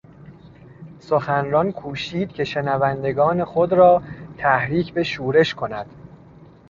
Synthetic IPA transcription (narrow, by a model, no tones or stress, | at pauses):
soxænɾɒnkʰuːʃiːd̪̥̚cʰe̞ʃe̞nævænd̪e̞ɡɒːne̞xod̪ɾɒːt̪ʰæhɾiːcʰbe̞ʃuːɾe̞ʃkʰo̞næd̪̥